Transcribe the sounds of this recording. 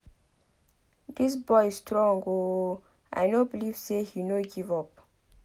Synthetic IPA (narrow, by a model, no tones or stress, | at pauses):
disbɔjisstɹɔ̃ŋɡo | a̰jnobiliv̥sehinoɡivɔp̚